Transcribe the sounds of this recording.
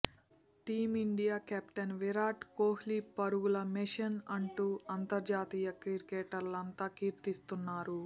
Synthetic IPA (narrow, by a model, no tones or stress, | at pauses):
ʈiːmiɳɖijaːkaːpʈɐnʋiɾaːʈkoːhlipɐɾuɡulɐmiʃɐnɐɳʈuːɐnt̪ɐɾd͡ʒaːt̪iːjɐkɾiɾkeːʈɐɾlɐnt̪aːkiːɾt̪ist̪unːaːɾu